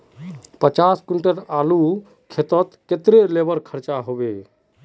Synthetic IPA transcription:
pət͡ʃaskuɳʈəɾalu | kʰet̪ət̪ket̪ɾelebəɾkʰəɾt͡ʃaɦobe

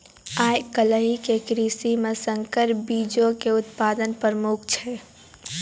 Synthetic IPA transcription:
ajkələɦikekɾisimesəŋkəɾbid͡ʒokeʊt̪pad̪ənpɾɾəmuk̚ʰt͡ʃʰɛ

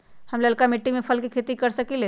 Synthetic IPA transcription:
həmləlkamiʈːimepʰəlkekʰet̪ikəɾsəkile

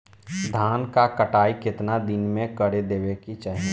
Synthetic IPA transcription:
d̪ʱaːnkakəʈaːikɪt̪nad̪ɪnmẽkəɽed̪eːʋekit͡ʃaːɦi

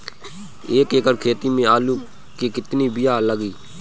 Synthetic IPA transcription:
eːkeːkəɾkʰeːt̪iːmẽːaːluː | kiːkɪt̪niːbɪjaːləɡiː

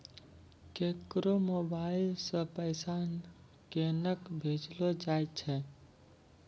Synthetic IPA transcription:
kekɾomobailsə̃pəjsan | kenəkbʱed͡ʒlod͡ʒajt͡ʃʰɛ

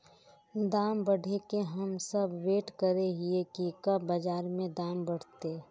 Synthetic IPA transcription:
d̪aːmbəɽʱekeɦəmsəbʋeːʈkəɾeɦiekikɐbbəd͡ʒaːɾmẽd̪aːmbəɽ̤t̪e

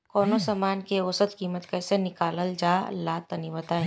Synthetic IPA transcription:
kɔːnosaːmaːnkeosət̪kiːmət̪kɛːsenɪkaːləld͡ʒaːlaːt̪ɐnibɐt̪a

